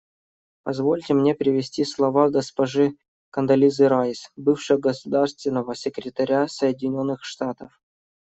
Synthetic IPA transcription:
pɐzvo̞lʲtʲɪmnʲepɾʲɪvʲɪsʲtʲislˠɐvaɡəspɐʐɨ | kənd̪ɐlʲizɨɾajsbɨfʂɨəɡəsʊd̪arst̪vʲɪnːəvəsʲɪkɾʲɪt̪ɐɾʲasəjɪdʲɪnʲo̞nːɨxʂt̪at̪əf

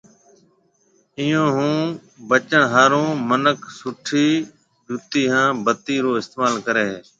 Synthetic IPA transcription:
ɪjõːɦũː | bət͡ʃəɳɦaːɾõːmənəkʰsʊʈʰiː | d͡ʒʊt̪iːɦãːbət̪iːɾoːɪst̪eːmaːlkəɾeː

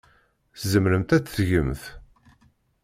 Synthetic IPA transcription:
θzəmɾəmt̪æt͡sːθʝəmθ

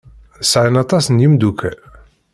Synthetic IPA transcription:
sʕənɑt̪ˤɑsənjimd̪ukæl

